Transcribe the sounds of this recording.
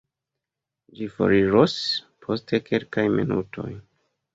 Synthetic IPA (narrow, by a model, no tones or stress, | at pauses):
d͡ʒifo̰ɾiɾospʰo̞stʰe̞kʰelkajmḭnṵtʰo̞̰j